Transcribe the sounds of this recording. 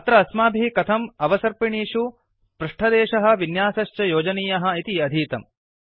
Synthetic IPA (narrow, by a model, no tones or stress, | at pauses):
ɐt̪ɾɐːsmaːbʱikɐt̪ʰɐmɐʋɐsɐɾpiɳiːʂu | pɾuʂʈʰɐd̪eːʃɐɦɐ̆ʋinjaːsɐʃt͡ʃɐjoːd͡ʒɐniːjɐɦɐ̆it̪iɐd̪ʱiːt̪ɐm